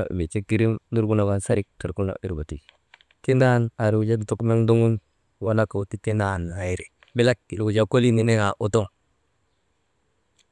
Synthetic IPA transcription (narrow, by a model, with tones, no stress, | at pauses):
a̰˨be˨t͡ʃe˦ki˦ɾi˦mni˦ɾɡu˦na˨wa˦nsa˦ɾi˦k̚ta˨ɾku˦lna̰˨˦i˦ɾba˨ti˨ | ki˦nda˦na˨ɾi˨u˨d͡ʒa˦du˨tu˦kme˦ŋdu˦ŋu˦n˨ | wa˦na˦ka˨u˨ti˦te˦na˦˨n˨a˨i˨ɾi˨ | bi˦la˦kːi˨lu˨d͡ʒa˨ko˦li˦ni˦ne˦ŋa˨ʔu˨to˦ŋ